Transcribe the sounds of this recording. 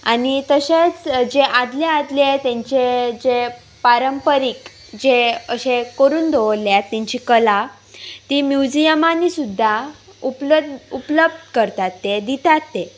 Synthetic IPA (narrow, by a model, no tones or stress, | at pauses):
anit̪əɕet͡sd͡ʑeʔad̪lead̪let̪jãɲt͡ɕed͡ʑe | paɾəmpəɾik | d͡ʑeəɕekəɾuːnd̪ʱoʋəljat̪ːãɲt͡ɕikəla | t̪imjud͡ʑijəmanisud̪ʱːa | upləupləb̚d̪kəɾt̪at̪ːed̪it̪at̪ːe